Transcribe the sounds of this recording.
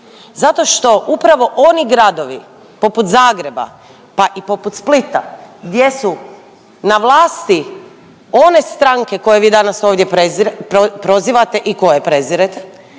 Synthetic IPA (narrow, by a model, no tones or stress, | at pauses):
zat̪o̞ʃt̪o̞ʔupɾaʋo̞ʔo̞niɡɾad̪o̞ʋi | po̞put̪zaːɡɾe̞ba̰ | paʔipo̞put̪split̪a̰ɡd̪je̞su | naʋlˠaːst̪i | o̞ne̞st̪ɾaŋke̞ko̞jeʋiːd̪anaso̞ːʋd̪jepɾeziɾpɾo̞ziʋat̪e̞ʔiko̞jepɾe̞ziɾet̪e